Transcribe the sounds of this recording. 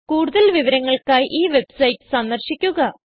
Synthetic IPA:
kuːɽuðɐlʋiʋɐɾɐŋːɐɭkaːjʔiːʋe̞bsɐjʈːɨ̥sɐnd̪ɐrɕikʲːuɣɐ

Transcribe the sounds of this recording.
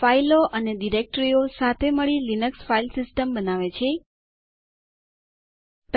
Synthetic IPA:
failoʔəneɖiɾek̚ʈɾiosat̪ʰeməɭilinəksfailsisʈəmbənaʋet͡ʃʰe | t̪

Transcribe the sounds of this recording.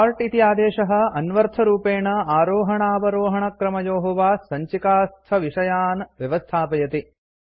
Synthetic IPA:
ɾʈit̪ijaːd̪eːʂɐɦɐ̆ɐnʋɐɾt̪ʰɐɾuːpeːɳɐaːɾoːɦɐɳaːʋɐɾoːɦɐɳɐkɾɐmɐjoːɦɐʋaːsɐɲt͡ʃikaːst̪ʰɐʋiʂɐjaːnʋjɐʋɐst̪ʰaːpɐjɐt̪i

